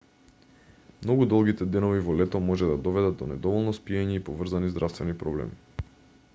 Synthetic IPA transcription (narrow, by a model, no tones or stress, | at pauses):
mnɔɡud̪ɔlˠɡit̪ɛd̪ɛnɔvivɔlɛt̪ɔmɔʒɛd̪ad̪ɔvɛd̪ad̪ɔnɛ̰d̪ɔvɔlˠnɔspiɛɲɛipɔvr̩zanizd̪ɾʔafst̪vɛnipɾɔblɛ̰mi